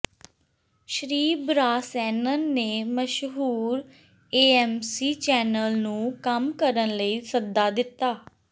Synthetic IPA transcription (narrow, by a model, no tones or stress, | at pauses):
ʃɾiːbɾaːsɛːnənːeːməʃɦuːɾ | eːɛːmsiːt͡ʃɛːnəlnũːkəmkəɾənləiːsəd̪aːd̪ɪt̪ːaː